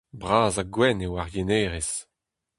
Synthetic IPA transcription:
bʁaːzaɡwɛnewaʁjeneːʁes

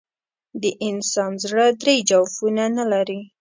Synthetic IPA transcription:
d̪əʔɪnsɑnzɽəd̪ɾejd͡ʒawfunanalaɾi

